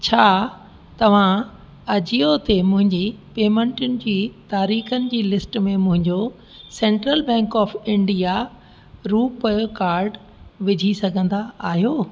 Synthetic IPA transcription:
t͡ɕʰaː | t̪ɐʋ̤ã | ɐd͡ʑiot̪emʊ̃ɦɪ̃ɲd͡ʑipeːmẽɳʈʊnɪ̆d͡ʑiːt̪aːɾiːxənɪ̆d͡ʑiːlɪsʈmẽmʊ̃ɦɪ̃ɲd͡ʑo | sɛ̃ːɳʈɾəlbɛ̃ːŋkɔːfɪ̃ɳɖija | ɾuːpkaːɾɖ | ʋɪd͡ʑʱisɐɡʱə̃nd̪aaːɦijoː

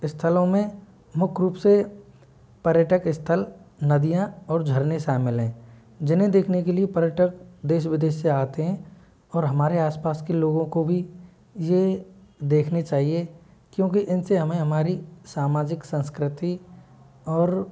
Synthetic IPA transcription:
ɪst̪ʰəlõmẽ | mʊkʰɾuːpse | pɐɾjəʈəkɪst̪ʰəlnɐd̪ijãɔːɾd͡ʒʱəɾneʃaːmɪlɦɛ̃ː | d͡ʒɪnɦẽd̪eːkʰnekeliepəɾjəʈəkd̪eːʃʋɪd̪eːʃseaːt̪eɦɛ̃ | ɔːɾɦɐmaːɾeaːspaːskeloːɡõkobʱi | jed̪eːkʰnet͡ʃaːɦie | kjõːkiʔɪnseɦɐmẽɦɐmaːɾisaːmaːd͡ʒɪksə̃nskɾɪt̪i | ɔːɾ

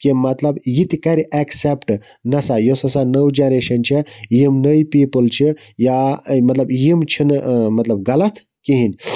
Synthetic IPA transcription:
kimɐt̪lɐbjit̪ikɐɾiʔeksepʈ | nɐsajosɐsanəwd͡ʒaɾeʃɐnt͡ʃʰijimnəjpiːpɨlt͡ʃʰi | jamɐt̪lɐbjimt͡ʃʰinmɐt̪lɐbɡɐlɐt̪ʰ | kiɦinʲ

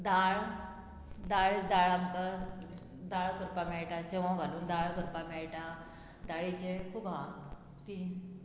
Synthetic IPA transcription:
d̪aɭ | d̪aɭd̪aɭamtə | d̪aɭkəɾpamɛɭʈat͡ɕeʋãɡʱaluːnd̪aɭɡəɾpamɛɭʈa | d̪aɭit͡ɕekʰubʱa | t̪i

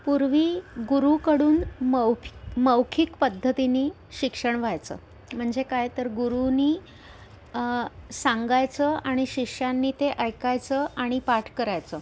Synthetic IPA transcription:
puɾʋiːɡuɾukəɽuːnməməʋkʰikpəd̪ʱːət̪iniː | ɕikʂəɳʋajt͡sə̰ː | m̤əɳd͡zekajt̪əɾɡuɾuniː | sãŋɡajt͡səaɽ̃iɕikʂanːiːt̪eʔəjkajt͡səʔaɽ̃ipaʈʰkəɾajt͡sə

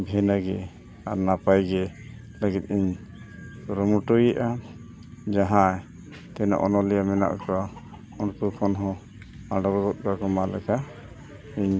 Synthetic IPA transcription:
bʱɛnaɡɛ | aɾnapajɡɛ | ləɡit̪̚iɲ | sɔɾɔmuʈujɛʔa | d͡ʒaɦãɛ | t̪ɛna̰ʔɔnɔlijamɛna̰ʔka | unkukʰɔnɦɔ̃ | aɖɔɡɡɔt̪̚kakɔmalɛkʰa | iɲ

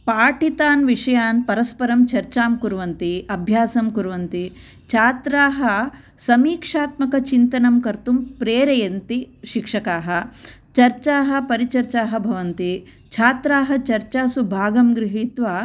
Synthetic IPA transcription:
paːʈit̪aːnʋiʂɐjaːnpɐɾɐspɐɾɐmt͡ʃɐɾt͡ʃaːmkuɾʋɐnt̪iɐbʱjaːsɐmkuɾuʋɐnt̪i | t͡ʃʰaːt̪ɾaːɦɐ | sɐmiːkʂaːt̪mɐkɐt͡ʃint̪ɐnɐmkɐɾt̪umpɾeːɾɐjɐnt̪iʃikʂɐkaːɦɐ̆ | t͡ʃɐɾt͡ʃaːɦɐ̆pɐɾit͡ʃɐɾt͡ʃaːɦɐbʱɐʋɐnt̪i | t͡ʃʰaːt̪ɾaːɦɐt͡ʃɐɾt͡ʃaːsubʱaːɡɐmɡɾiɦit̪ʋaː

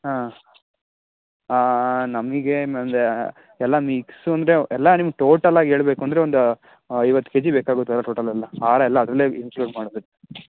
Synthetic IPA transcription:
ɦa | aːnɐmiɡeɐnd̪e | ɛlːɐmiːksuɐnd̪ɾeɛlːɐnimɐɡ̚ʈo̞ːʈɐlaːɡiɦe̞ːɭbeːkuɐnd̪ɐɾe̞ond̪u | iʋɐt̪ːu̥ked͡ʒibeːkaːɡot̪uɛlːɐʈoːʈɐlɛlːɐaːɾɐɛlːɐːd̪ɾɐlːeːimkluːɖmaːɽod̪ɾe

